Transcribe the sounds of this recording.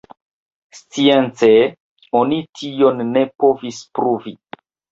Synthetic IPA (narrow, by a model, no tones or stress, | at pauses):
st͡sient͡se | onitʰionːepo̞vispɾuvi